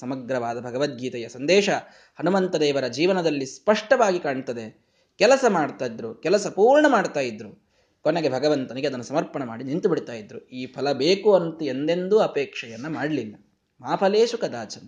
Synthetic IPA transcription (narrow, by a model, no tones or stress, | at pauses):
sɐmɐɡɾɐʋaːd̪ɐbʱɐɡɐʋɐt̪̚ɡʱiːt̪ɐjɐsɐnd̪ɛːʂɐ | hɐnumɐnt̪ɐd̪eːʋɐɾɐd͡ʒiːʋɐnɐd̪ɐlːispɐʂʈɐʋaːɡikaːɳt̪ɐd̪e | kɛlɐsɐmaːɖt̪aːjid̪ɾukɛlɐsɐpuːɾɳɐmaːɖt̪aːjid̪ɾu | konːeɡe̞bʱɐɡɐʋɐnt̪ɐniɡeɐd̪ɐnːusɐmɐɾpɐɳɐmaːɽinint̪ubiɽit̪aːjid̪ɾuiːpʰɐlɐbeːkuɐnt̪ue̞nd̪e̞nd̪uɐpɛːkʂɐjɐnːɐmaːɽɐlilːɐ | maːpʰɐleːʃukɐd̪aːt͡ʃɐn